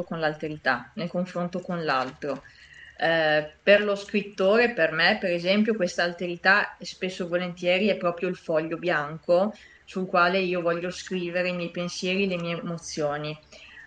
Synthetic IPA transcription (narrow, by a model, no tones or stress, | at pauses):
okonlalt̪eɾit̪anelkoɱfɾont̪okonlalt̪ɾo | perloskɾit̪ːoːɾepermepeɾezɛmpjokwest̪aːlt̪eɾit̪aɛspesːovolent̪jɛːɾiɛpːɾɔːpɾjoilfɔʎːobjaŋko | sulkwaːleiːovɔʎːoskɾiːveɾeimjɛjpensjɛːɾilemiːemot̪sːjoːni